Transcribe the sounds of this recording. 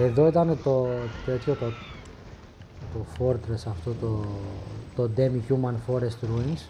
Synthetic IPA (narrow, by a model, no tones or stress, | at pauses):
eðo̞it̪ɐnet̪ot̪et͡s̪çopo | t̪ofoɾt̪ɾesɐft̪ot̪o | t̪od̪emicumɐnfoɾest̪ɾunis